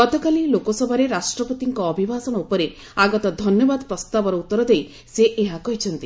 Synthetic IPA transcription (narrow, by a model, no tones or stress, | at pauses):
ɡɔt̪ɔkalilokɔsɔbʱaɾeɾasʈɾɔpɔt̪iŋkɔːbʱibʱasɔɽ̃ɔupɔɾe | aɡɔt̪ɔd̪ʱɔnjɔbad̪pɾɔst̪abɔɾɔut̪ːɔɾɔd̪ej | seʔeɦakɔɦit͡ʃʰɔnt̪i